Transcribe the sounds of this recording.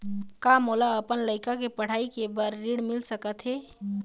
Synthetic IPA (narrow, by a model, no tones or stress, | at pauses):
kamoːlaəpənləɪkakepəɽ̤aːikebəɾːiːɽmɪlsəkət̪ɦɛː